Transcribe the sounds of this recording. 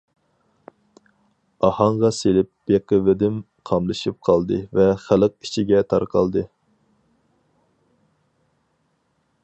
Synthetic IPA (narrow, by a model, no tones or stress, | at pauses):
ɑhɑŋʁɑselɪp̚b̥eqəvɪd̪ɪm | qʰɑmlˠɨʃip̚qʰɑlˠd̪ɨvɛχæləq̚i̥t͡ʃʰiɡʲɛt̪ʰɑɾqʰɑ̰lˠd̪ɨ